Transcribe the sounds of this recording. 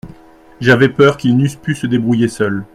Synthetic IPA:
ʒavɛpœʁkʲilnyspysəd̪ebʁujesœl

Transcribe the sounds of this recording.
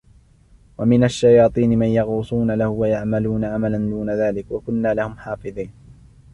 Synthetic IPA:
wamɪnaʃːajɑːt̪ˤiːnɪmanjɑɣuːsˤuːnalahʊwajaʕmaluːnaʕamaland̪uːnaðaːlɪkwakʊnːaːlahʊmħɑːfɨðˤiːn

